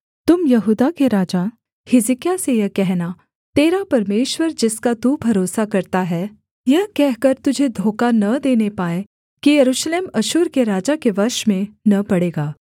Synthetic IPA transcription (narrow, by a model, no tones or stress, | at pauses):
t̪ʊmjɐɦuːd̪akeɾaːd͡ʒa | hɪzɪkijasejɐkɛɦna | t̪eːɾapɐɾmeːʃwəɾd͡ʒɪskat̪ubʱɐɾoːsakɐɾt̪aɦɛː | jɐɦkɛɦkɐɾt̪ʊd͡ʒʱed̪ʱoːkanɐd̪eːnepaːe | kijɐɾuːʃleːmɐʃʊːɾkeɾaːd͡ʒakeʋɐɾʃmẽnɐpɐɽeːɡaː